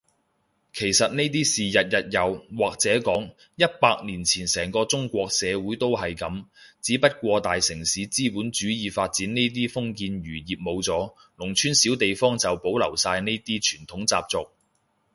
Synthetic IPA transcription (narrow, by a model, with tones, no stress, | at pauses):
kʰe˨˩jsɐ˨t̚ne˥t̪̬iː˥siː˨jɐ˨t̚jɐ˨t̚jɐ˨wwaː˨k̚t͡sɛː˨˥kɔː˨˥ŋ | jɐ˥t̚paː˧k̚niː˨˩nt͡sʰiː˨˩nsɛː˨˩ŋkɔː˧t͡sʊ˥ŋkʷɔː˧k̚sɛː˨˧wuː˨˥jt̪o˥wɦɐ˨jkɐ˨˧mt͡siː˨˥pɐ˥t̚kʷɔː˧t̪aː˨jsɪ˨˩ŋsiː˨˥t͡siː˥puː˨˥nt͡ʃyː˨˥jiː˨˧faː˧t̚t͡siː˨˥nne˥jt̪̬iː˥fʊ˥ŋkiː˧nɥyː˨˩jiː˨p̚mo˨˧wt͡sɔː˨˥ | lʊ˨˩ŋt͡ʃʰyː˥nsiː˨˥wt̪e˨jfɔː˥ŋt͡sɐ˨wpo˨˥wlɐ˨˩wsaː˧jne˥jt̪iː˥t͡ʃʰyː˨˩nt̪ʰʊ˨˥ŋt͡sa̰ː˧p̚t͡sʊ˨k̚